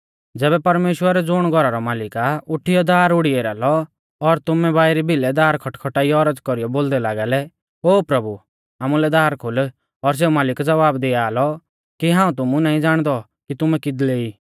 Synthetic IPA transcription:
d͡zɛːbɛpɐɾmeːʃwəɾɛd͡zʊɽ̃ɡʱɔɾaɾɔmaːlɪkaʊʈʰːijɔd̪aːɾʊɽieːɾa̰ːlɔ | ɔɾt̪ʊmɛbaːiɾibʱɪlɛd̪aːɾkʰɔʈkʰɔʈaːijɔɔɾəd͡zkɔɾijɔboːld̪ɛlaːɡaːlɛ | oːpɾɐbu | aːmulɛd̪aːɾkʰʊl | ɔɾs̬eːumaːlɪkd͡zɐʋaːbd̪ɪaːlɔ | kiɦãːũt̪̬ʊmunaːĩd͡zaːɽ̃d̪ɔ | kit̪ʊmɛkɪd̪leːiː

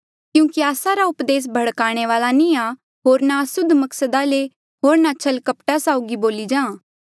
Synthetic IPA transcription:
kjũːkiaːsaɾaʊpd̪eːs̬bʱɐɽkaːɽ̃eʋaːlanĩa | ɦoːɾnaɐsʊd̪ʱːmɐksəd̪ale | ɦoːɾnat͡ʃʰɐlkɐpʈasaːʊɡiboːlid͡ʒãː

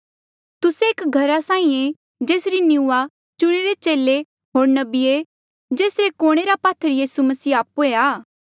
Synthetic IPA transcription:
t̪ʊseeːkɡʱɐɾasãːĩẽ | d͡ʒeːsɾinjɪuːa | t͡ʃʊɽ̃eɾet͡ʃeːle | ɦoːɾnɐbie | d͡ʒeːsɾekoːɽ̃eɾapaːt̪ʰəɾjiːsumɐsiːaːpueaː

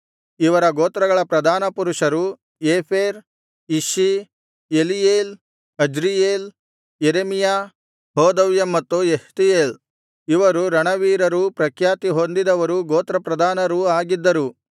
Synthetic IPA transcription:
iʋɐɾɐɡoːt̪ɾɐɡɐɭɐpɾɐd̪ʱaːnɐpuɾuʂɐɾu | eːpʰeːɾ | iʃi | elijeːl | ɐd͡ʒɾijeːl | jeɾemijaː | ɦɔːd̪ɐʋjɐmːɐt̪ːueht̪ijeːl | iʋɐɾuɾɐɳɐʋiːɾɐɾupɾɐkʰjaːt̪iɦond̪id̪ɐʋɐɾuɡoːt̪ɾɐpɾɐd̪ʱaːnɐɾuaːɡid̪ːɐɾu

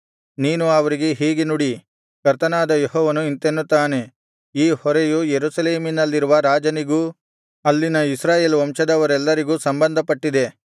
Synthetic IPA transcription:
niːnuɐʋɐɾiɡe̞ɦiːɡenuɽi | kɐɾt̪ɐnaːd̪ɐjeɦɔːʋɐnuint̪enːut̪ːaːne̞ | iːhɔɾejujeɾusɐleːminɐlːiɾuʋɐɾaːd͡ʒɐniɡu | ɐlːinɐisɾaːje̞ːlʋɐmʂɐd̪ɐʋɐɾɛlːɐɾiɡuːsɐmbɐnd̪ʱɐpɐʈːid̪e̞

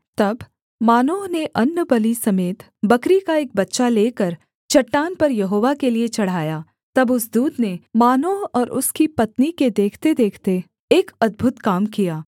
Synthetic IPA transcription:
t̪ɐb | maːnoːɦneʔɐnːəbɐlisɐmeːt̪ | bɐkɾikaeːk̚bɐtːʃaleːkɐɾ | t͡ʃɐʈːaːnpɐɾjɐɦoːʋakeliet͡ʃɐɽ̤aːjaː | t̪ɐbʊsd̪uːd̪nemaːnoːɦɔːɾʔʊ̰skipɐt̪niked̪eːkʰt̪ed̪eːkʰt̪e | eːkɐd̪̚bʱʊt̪kaːmkijaː

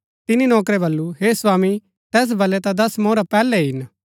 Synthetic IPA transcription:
t̪ɪninɔːkɾɛbɐlːuɦeːswaːmi | t̪ɛːs̬bɐlɛt̪ad̪ɐsmoːɾapɛːlɛɦɪn

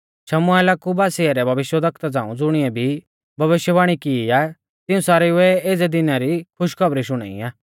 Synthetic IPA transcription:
ʃɐmʊalaːkubaːsɪaɾɛbʱɐʋɪʃjəd̪ɐkʰt̪ad͡zã̰ːṵ̃d͡zʊɽ̃ɪɛbʱi | bʱɐʋɪʃjəbaːɽ̃ikiiaː | t̪ɪũsaːɾiʊɛeːd͡zɛd̪ɪnaɾikʰʊʃkʰɐbɾiʃʊɽ̃a̰ːḭaː

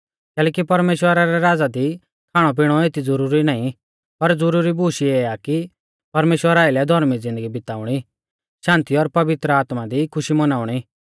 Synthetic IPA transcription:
kɛːlɛːkipɐɾmeːʃwəɾaɾɛɾaːd͡zad̪i | kʰaːɽ̃ɔp̬iɽ̃ɔet̪id͡zɐɾuːɾinaːĩ | pɐɾd͡zʊɾuːɾibuːʃiɛaːki | pɐɾmeːʃwəɾaːɪlɛd̪ʱɔɾmid͡zɪ̃nd̪əɡibɪt̪aːʊɽ̃i | ʃãːnt̪iɔɾpɐʋɪt̪ɾəaːt̪mad̪ikʰʊʃimɐnaːʊɽ̃i

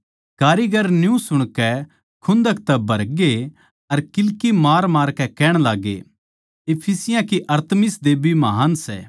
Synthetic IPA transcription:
kaːɾiɡɐɾnjũsʊɽ̃kɛ | kʰʊ̃nd̪əkt̪ɛbʱɐɾɡe | ɐɾkɪlkimaːɾmaːɾkɛkɛːɽ̃laːɡḛ | epʰisɪjãkiʔɐɾt̪mɪsd̪eːbʱimɐɦaːnsɛ̰ː

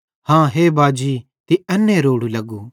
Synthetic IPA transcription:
hãːɦeːbaːd͡ʒiː | t̪iɐnːẽɾoːɽulɐɡu

